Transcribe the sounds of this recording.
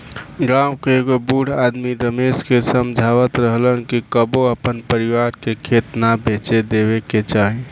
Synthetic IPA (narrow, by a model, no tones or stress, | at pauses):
ɡɾamkeɡobuɽad̪miɾəmeskesəmd͡ʒʱaʋət̪ɾəɦlənkikəboəpənpəɾiʋaɾkekʰet̪nabet͡ʃed̪eβeket͡ʃaɦi